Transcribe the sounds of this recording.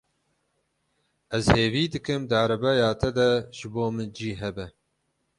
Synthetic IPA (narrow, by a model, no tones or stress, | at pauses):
ʔɛzheːviːd̪ɨkɨmd̪ɨɑɾɐbɛjɑːt̪ʰɛd̪ɐʒɨboːmɨnd͡ʒiːɦɛbɛ